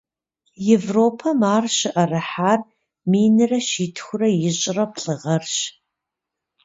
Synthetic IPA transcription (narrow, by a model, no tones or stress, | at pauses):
jevroːpʰɐmaːrɕɪʔɐrɨħaːr | miːnɨrɐʃiːtʰxʷʊrɐjɪɕʼɪrɐpɬʼɨʁɐrɕ